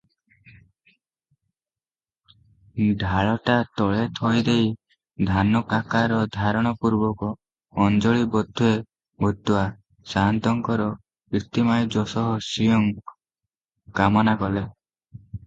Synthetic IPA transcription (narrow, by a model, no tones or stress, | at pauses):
ɖʱaɭɔʈat̪ɔɭet̪ʰɔjd̪ej | d̪ʱanɔkakaɾɔd̪ʱaɾɔɽ̃ɔpuɾbɔkɔː | nd͡ʒɔɭibɔd̪ʱue | bʱut̪ːua | saɦnt̪ɔŋkɔɾɔ | it̪imajd͡ʒɔsɔɦɔsijɔŋ | kamɔnakɔle